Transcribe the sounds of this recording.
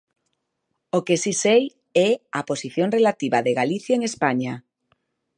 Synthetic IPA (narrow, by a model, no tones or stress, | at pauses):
okesisej | ɛaposiθjoŋrelat̪iβaðeɣaliθjaeŋespaɲa